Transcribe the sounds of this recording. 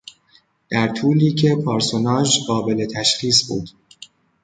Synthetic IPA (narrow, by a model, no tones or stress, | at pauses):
d̪̥æɾt̪ʰuːliːcʰe̞pʰɑːɾsonɒːʒɢɒːbe̞le̞t̪ʰæʃxiːsbṵːd̪̥